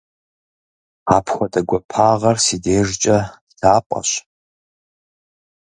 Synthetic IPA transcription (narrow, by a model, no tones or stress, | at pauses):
aːpʰxʷɔdɐɡʷɐpʰaːʁɐrsideːʐt͡ʃʼɐd̥dʰaːpʷʼɐ̰ɕ